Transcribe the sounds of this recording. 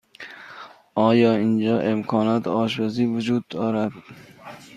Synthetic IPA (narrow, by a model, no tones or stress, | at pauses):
ʔɒːjɒːind͡ʒɒːʔemkʰɒːnɒːt̪ʰɒːʃ̬baziːvʊd͡ʒuːd̪ːɒːɾad̪